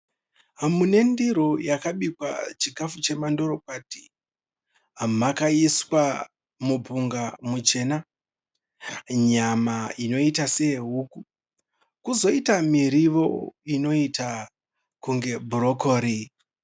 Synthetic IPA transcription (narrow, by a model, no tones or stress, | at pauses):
ɦamune̞ndiɾojakaɓikwa̰t͡ʃikafut͡ʃe̞mando̞ɾo̞k̚waːti̥ | ɦamakaiswa | mubʱuŋɡamut͡ʃe̞na | ɲamaino̞itaseeɦuːku | kuzo̞itamiɾiʋo̞̰ino̞ita | kuŋɡe̞bʱuro̞ko̞ːɾi